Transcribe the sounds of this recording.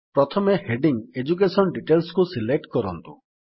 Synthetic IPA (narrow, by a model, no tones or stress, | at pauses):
pɾɔt̪ʰɔmeheɖiŋed͡ʒuk̬esɔnɖiʈelskusilek̚ʈkɔɾɔ̰nt̪ṵ